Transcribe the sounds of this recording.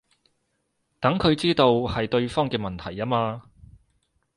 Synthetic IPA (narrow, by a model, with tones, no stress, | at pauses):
t̪ɐ˨˥ŋkʰɵ˨˧ɥt͡siː˥t̪o˧whɐ˨jt̪ɵ˧ɥfɔː˥ŋkɛː˧mɐ˨nt̪ʰɐ˨˩jaː˥maː˧